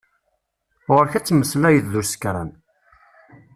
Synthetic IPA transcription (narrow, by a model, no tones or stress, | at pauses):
ʁəɾçæt͡sːməslæjəððuɾsə̥kɾæ̰n